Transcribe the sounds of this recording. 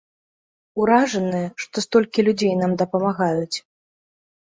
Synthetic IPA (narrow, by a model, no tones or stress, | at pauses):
uɾaʐɐnɨjɛʂt̪ɔst̪ɔlʲkʲilʲud͡zʲejnamd̪ɐpɐmaɣajut͡sʲ